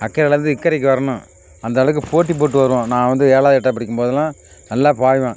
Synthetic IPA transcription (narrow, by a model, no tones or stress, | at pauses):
ɐkːɐɾɐlɐɾɯnd̪ɯɪkːɐɾɪk̬ːɯʋɐɾɐnʊ̃ | ɐnd̪ɐʋɐɭɐkːɯpoːʈːip̬oːʈːɯʋɐɾɯʋõːnãːʋɐnd̪ɯeːɭaːðɪʈːɐp̬ɐɽɪkːɯmpoːðɐlãː | nɐlːaːpaːjʋã